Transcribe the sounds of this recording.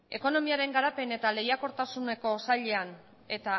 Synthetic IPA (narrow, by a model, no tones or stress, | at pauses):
e̞ko̞no̞miaɾe̞ŋɡaɾape̞ne̞t̪ale̞jako̞ɾt̪asune̞ko̞saʎe̞an | e̞t̪a